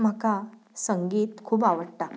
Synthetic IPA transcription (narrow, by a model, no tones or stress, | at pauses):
m̤aka | səŋɡiːt̪kʰuːbaʋəɽʈ̪a